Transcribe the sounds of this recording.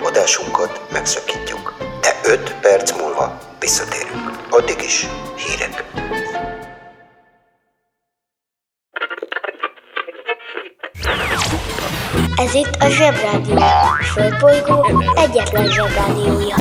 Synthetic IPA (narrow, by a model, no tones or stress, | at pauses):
od̪aːʃuŋkɒt̪mɛksɒkiːcːuk̪ɛʔøt̪pɛrt̪smuːlvɒ̰ʋisːɒt̪ḛːɾyŋkɒd̪ːiɡiʃhiːɾɛ̰k | ɛzit̪ːɒʒɛbraːd̪ijoːfølt̪bojɡoːɛɟːɛt̪lɛnʒɛbraːd̪ijoːjɒ